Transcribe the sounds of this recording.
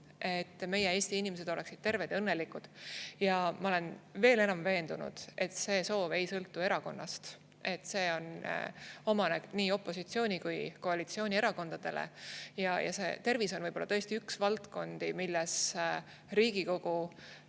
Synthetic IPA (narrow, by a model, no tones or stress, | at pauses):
ʔe̞t̪ːme̞jee̞ːsʲt̪iinimese̞d̪̥o̞le̞ksid̪̥̚t̪e̞rved̪ɤnːe̞likːud̪̥jɑmɑole̞nve̞ːle̞nɑmve̞ːnd̪̥unṵd̪̥e̞t̪ːse̞ːso̞ːve̞jsɤlt̪ːue̞ɾɑko̞̰nːɑ̰st̪ | ʔe̞t̪ːˑse̞ːo̞n | o̞mɑneniːo̞pːˑo̞sit̪sio̞ːnʲikujko̞ɑlit̪sio̞ːnʲie̞ɾɑko̞nd̪ɑd̪̥e̞̰lḛjɑjʔɑ̰se̞̰t̪e̞rviso̞nvɤjb̥o̞lːɑt̪ɤest̪iyksvɑlt̪ko̞nd̪̥imilːɛs | ɾiːɡ̥iko̞ɡ̥u